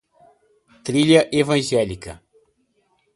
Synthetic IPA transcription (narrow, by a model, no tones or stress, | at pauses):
t̪ɾiʎɐʔevɐ̃ʒɛlikɐ